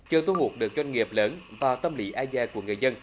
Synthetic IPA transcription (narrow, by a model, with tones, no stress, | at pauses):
t͡ɕɨ˨˩t̪u˧hu˨˩ək̚ɗɨ˨˩ək̚zwa˧jŋ̟ŋi˨˩əp̚ləː˨˦nvaː˨˩wt̪ə˧mli˨˦ʔaː˧zɛː˧˩ku˧˩əŋɨ˨˩əjzə˧n